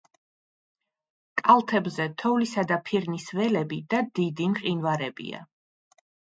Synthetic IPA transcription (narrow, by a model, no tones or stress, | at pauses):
kʼalˠt̪ʰɛbzɛt̪ʰɔvlisad̪apʰiɾnisvɛlɛbid̪̥ad̪id̪imqʼinvaɾɛbḭa̰